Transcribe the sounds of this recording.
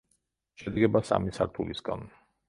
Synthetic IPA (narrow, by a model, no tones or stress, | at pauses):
ʃɛd̪ɡɛbasa̰misaɾt̪ʰulisɡan